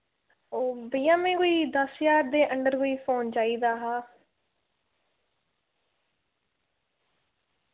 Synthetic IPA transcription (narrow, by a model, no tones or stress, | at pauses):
oːbəijãːmẽːkoːiːd̪əsjaːɾd̪eːʔəɳɖəɾkoːiːpʰoːnd͡ʒaːiːd̪aːɦaː